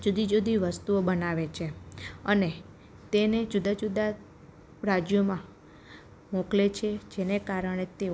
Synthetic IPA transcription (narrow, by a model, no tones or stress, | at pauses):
d͡ʒud̪ʱid͡ʒod̪ʱiʋəst̪uobənaʋet͡ʃʰeəne | t̪ened͡ʒud̪ad͡ʒud̪a | ɾad͡ʒjomã | moklet͡ʃʰed͡ʒenekaɾəɳ̃et̪e